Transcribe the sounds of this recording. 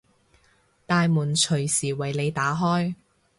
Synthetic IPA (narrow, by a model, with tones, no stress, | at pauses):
t̪aː˨jmuː˨˩nt͡ʃʰɵ˨˩ɥsiː˨˩wɐ˨˩jle˨˧jt̪aː˨˥ɦɔː˥j